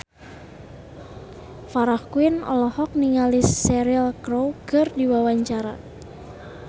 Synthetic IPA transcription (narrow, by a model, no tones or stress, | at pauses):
faɾahkuinɔ̰lɔhɔk̚niŋalisːɛɾilkɾowkɨrdiwawaɲt͡ʃaɾa